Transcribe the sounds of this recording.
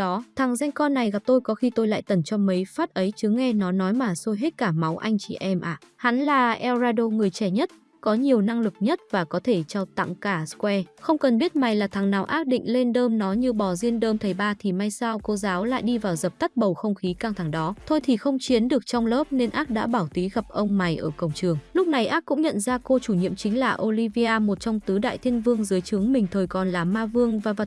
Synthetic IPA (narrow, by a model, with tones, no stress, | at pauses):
ɔ˨˦t̪ʰa˨˩ŋza˧jŋ̟kɔ˧nːa˨˩jɣa˨˩p̚t̪o˧jkɔ˨˦xi˧t̪o˧jla̰ː˧˨jt̪ə˧˩nt͡ɕɔ˧mə˨˦jfaː˦˥t̚ʔə˨˦jt͡ɕɨ˨˦ŋɛ˧nɔ˨˦nɔ˨˦jmaː˨˩so˧jɦe˦˥t̚kaː˧˩ma˨˦wʔa˧jŋ̟t͡ɕḭ˧˩ʔɛ˧mʔaː˨˩ha˨˦nlaː˨˩ʔɛ˧wzaː˧ɗo˧ŋɨ˨˩əjt͡ɕɛ˧˩ɲə˦˥t̚ | kɔ˨˦ɲi˨˩əwna˧ŋlɨ˨˩k̚ɲə˦˥t̚vaː˨˩kɔ˨˦t̪ʰe˧˩t͡ɕɔ˧t̪a̰˧˨ŋkaː˧˩skwɛ˧xə˧wŋ͡mkə˨˩nɓi˦˥ət̚ma˨˩jlaː˨˩t̪ʰaː˨˩ŋnaː˨˩wʔaː˦˥k̚ɗḭ˧˨ŋ̟le˧nɗəː˧mnɔ˨˦ɲɨ˧ɓɔ˨˩zi˧ənɗəː˧mt̪ʰə˨˩jɓaː˧t̪ʰi˨˩ma˧jsaː˧wko˧zaː˨˦wla̰ː˧˨jɗi˧vaː˨˩wzə˨˩p̚t̪a˦˥t̚ɓə˨˩wxə˧wŋ͡mxi˨˦kaː˧ŋt̪ʰa˧˩ŋɗɔ˨˦t̪ʰo˧jt̪ʰi˨˩xə˧wŋ͡mt͡ɕi˨˦ənɗɨ˨˩ək̚t͡ɕɔ˧wŋ͡mləː˦˥p̚ne˧nʔaː˦˥t̚ɗa̰ː˧˥ɓaː˧˩wt̪i˨˦ɣa˨˩p̚ʔə˧wŋ͡mma˨˩jʔəː˧˩kə˨˩wŋ͡mt͡ɕɨ˨˩əŋlʊ˦˥k͡p̚na˨˩jʔaː˦˥kʊ̰˧˥ŋ͡mɲə̰˧˨nzaː˧ko˧t͡ɕu˧˩ɲḭ˧əmt͡ɕï˨˦ŋ̟laː˨˩ʔo˧li˧vi˧ʔaː˧mo˨˩t̚t͡ɕɔ˧wŋ͡mt̪ɨ˨˦ɗa̰ː˧˨jt̪ʰi˧ənvɨ˧əŋzɨ˨˦jt͡ɕɨ˨˦əŋmï˨˩ŋ̟t̪ʰəː˨˩jkɔ˨˩nlaː˨˩maː˧vɨ˧əŋvaː˨˩və˨˩